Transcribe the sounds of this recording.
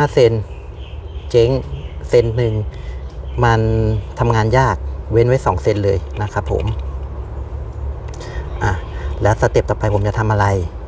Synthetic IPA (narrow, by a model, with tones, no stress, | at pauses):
aː˥˩se˧n | t͡ɕe˦˥ŋse˧nːɯ˨˩ŋ | ma˧nt̪ʰa˧mŋaː˧njaː˥˩k̚we˦˥nwa˦˥˩jsɔː˩˦ŋse˧nlɤː˧jna˦˥kʰa˦˥pʰːo̰˩˦m | ʔa˨˩lɛː˦˥wsa˧˩t̪i˨˩p̚t̪ɔː˨˩pa˧jpʰo˩˦mt͡ɕa˨˩t̪ʰa˧mʔa˧ɾa˧j